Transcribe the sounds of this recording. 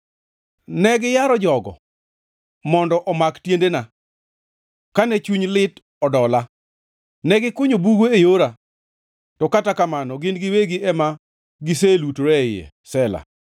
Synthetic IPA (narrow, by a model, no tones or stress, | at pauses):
nɛɡɪjaɾɔd͡ʒɔɡɔ̰ | mɔndɔʔɔmaktjendena | kanɛt͡ʃuɲlɪt | ɔdɔla | nɛɡɪkʊɲobuɡoejoɾa | tɔkatakamanɔɡɪnɡɪweɡɪʔɛma | ɡɪselutɾɛɪjḛ | sɛla̰